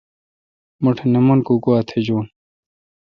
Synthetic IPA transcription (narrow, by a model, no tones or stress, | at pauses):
muʈʰenemunkuɡuat̪ʰed͡ʑuːn